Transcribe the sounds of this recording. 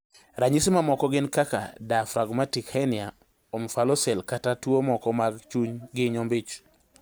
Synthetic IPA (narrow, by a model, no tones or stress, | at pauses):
ɾaɲismamɔkɔɡɪnkaka̰dafɾaɡmatikhɛnɪa | omfalɔsɛlkatatwomɔkɔmaɡt͡ʃuɲɡɪɲɔmbɪt͡ʃ